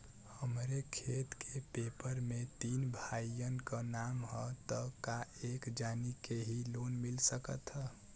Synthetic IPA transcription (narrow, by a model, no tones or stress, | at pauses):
həmɾekʰet̪kʰepepəɾmet̪iːnbʱaiənkənamɦət̪ətk̪aekd͡ʒanikeɦilonmilsəkət̪ɦə